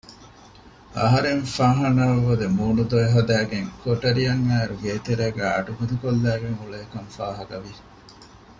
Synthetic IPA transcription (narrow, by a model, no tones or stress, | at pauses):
ɐɦɐɾeŋfaːɦɐnaːʋɐd̪emuːnud̪oeɦɐd̪æːɡeŋkʰoʈɐɾiɐŋːæːɾuɡeːt̪eɾeːɡæːɐ̰ʈuɡɐd̪ukolːæːɡeŋuɭeːkɐŋfaːɦɐɡɐʋi